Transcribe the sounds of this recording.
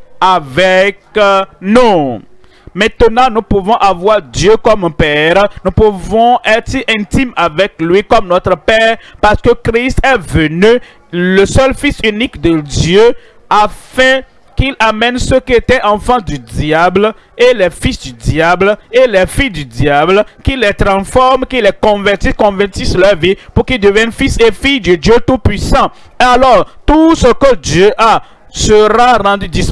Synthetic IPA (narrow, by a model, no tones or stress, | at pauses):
avɛknɔ̃ | mɛ̃t̪ənɑ̃nũpuvɔ̃ʔavwaʁd̪jøkɔmpɛʁnũpuvɔ̃ɛtsiʔɛ̃t̪imavɛklɥikɔmnɔt̪ɾəpɛːʁpaʁsə̥kəkʁist̪ɛvəny | ləsœlfisynikd̪əd̪jø | afɛ̃ | kilamɛnsəkiet̪ɛʔãfɑ̃d̪yd̪jabl | elɛfisd̪yd̪jablelɛfijd̪yd̪jablkilɛt̪ʁɑ̃sfɔʁmkilɛkɔ̃vɛʁt̪ikɔ̃vɛʁt̪islœʁvipuʁkild̪əvjɛnfisefijd̪əd̪jøt̪upɥisɑ̃ | alɔʁt̪usəkəd̪jøʔa | səʁaʁɑ̃d̪yd̪is